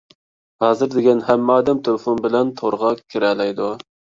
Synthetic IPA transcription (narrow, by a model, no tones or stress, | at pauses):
hɑːzɨɾd̪eɡʲɛnhæmːɑːd̪ɛmt̪ʰøfunbɪlɛnt̪ʰoɾʁɑkʲʰːiɾɛlɛjd̪u